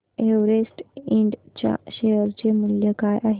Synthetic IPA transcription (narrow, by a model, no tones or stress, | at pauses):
eʋɾesʈiɳɖt͡ɕja̰ɕejəɾt͡ɕemuljəkajʔaɦ